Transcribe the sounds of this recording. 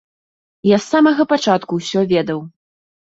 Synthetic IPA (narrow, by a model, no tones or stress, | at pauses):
jasːamɐɣɐpat͡ʂat̪kuwsʲɔvʲɛd̪ɐw